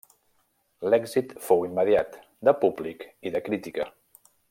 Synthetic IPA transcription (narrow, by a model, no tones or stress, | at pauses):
lɛɡzit̪fowimːəðiat̪ | d̪əpublikiðəkɾit̪ikə